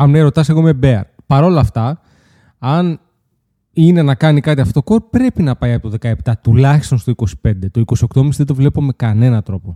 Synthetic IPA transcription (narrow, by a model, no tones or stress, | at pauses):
ɐmneɾo̞t̪ɐseɣomebeɐ̰ɾ | pɐɾo̞lɐft̪ɐ | ɐn | ine̞nɐkɐnikɐt̪iɐfot̪oko̞ɾpɾe̞pinɐpɐjɐpot̪oðe̞kɐept̪ɐt̪ulɐçi̥st̪o̞nst̪o̞iko̞si̥pe̞nd̪e̞t̪o̞iko̞sio̞kt̪omisðed̪o̞vle̞pome̞kɐne̞nɐt̪ɾo̞po̞